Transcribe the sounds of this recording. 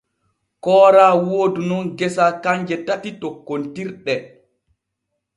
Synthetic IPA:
kɔːɾaːwoːdunɔnɡɛsakaɲd͡ʒɛtatitokːontiɾɗɛ

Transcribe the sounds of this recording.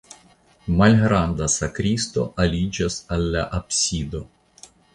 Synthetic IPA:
malʲɣɾand̪asakɾʲist̪o̰ʔalʲid͡ʒasalʲːaʔɐpsʲid̪o

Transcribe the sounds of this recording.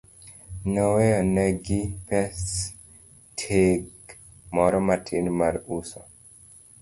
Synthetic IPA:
nɔwejɔnɛɡipɛs | tʰeɡ | mɔɾɔmatʰinmaɾusɔ

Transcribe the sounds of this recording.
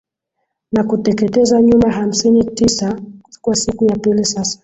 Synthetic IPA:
nakutɛkɛtɛzaɲumaɦam̩sinitisakwasikujapilisasḁ

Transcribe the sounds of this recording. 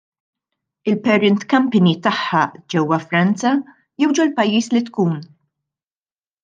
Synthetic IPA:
ɪlpɛɾɪnt̪kɐmpɪnit̪ɐħːɐd͡ʒɛwːɐfɾɐnt͡sɐ | jɛwd͡ʒɔlpɐjːiːslit̪kuːn

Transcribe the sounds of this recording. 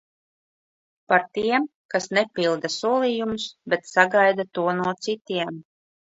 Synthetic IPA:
paɾt̪iɛmkasnɛpilˠd̪asuɔlˠijumusbet̪saɡajd̪at̪uɔnuɔt̪sit̪iɛm

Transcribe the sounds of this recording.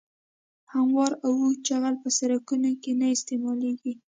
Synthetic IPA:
hamwɑɾawut͡ʃaɣalpəsaɾakunokenaɪst̪emɑleɡi

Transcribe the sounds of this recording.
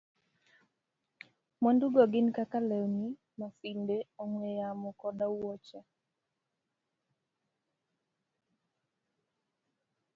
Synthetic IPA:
mɔnduɡɔɡɪnkakalɛwni | mafindeoŋwejamɔkɔdawɔt͡ʃa

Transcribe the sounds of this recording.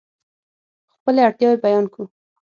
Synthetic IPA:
xpəleaɽt̪jɑwebajɑnku

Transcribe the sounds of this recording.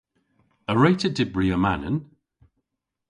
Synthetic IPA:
əɹeɪtʰədɪbɹiəmanə̰n

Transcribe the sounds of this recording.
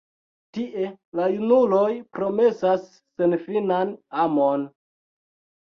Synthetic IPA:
tiʔe̞lajunulo̞jpɾo̞me̞sasː | e̞nfinanamon

